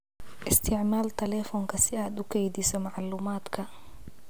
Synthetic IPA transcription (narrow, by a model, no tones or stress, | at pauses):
ʔɪst̪ʰɪʕmaːlt̪ʰɐlɛfɔːŋkʰɐsɪaːd̪ʊkʰɛjd̪ɪsɔmaʕlːuːmaːd̪kʰɐ